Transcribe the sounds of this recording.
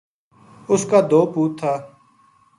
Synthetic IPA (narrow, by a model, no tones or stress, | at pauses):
ʊskaːd̪oːpuːt̪ʰːaː